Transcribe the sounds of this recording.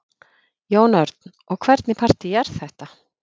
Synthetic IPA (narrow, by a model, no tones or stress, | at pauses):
joːwnœɾt̪n | ɔɣkʰvɛɾt̪nɪpʰar̥t̪ɪjɛɾθɛht̪a